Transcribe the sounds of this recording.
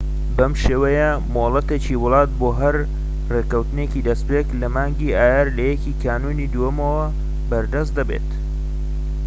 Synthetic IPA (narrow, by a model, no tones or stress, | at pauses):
bɐmʃeːwɐjɐ | molˠɐt̪eːt͡ʃiwʊlˠɑːt̪̚boːɦɐɾ | reːkɐwt̪ɨnecid̪ɐspeːklɐmaːŋɡiːaːjaɾlɐjɛkiːkʰaːnuːnid̪ujɐmɐwɐ | bɐɾd̪ɐs̬t̪̚d̪ɐbḛt̪